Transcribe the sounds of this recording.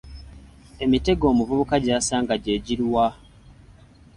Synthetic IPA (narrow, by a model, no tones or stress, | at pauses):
e̞mite̞ɡo̞ːmuvuβukaɟaːsaːŋɡaɟeːɟiɾwa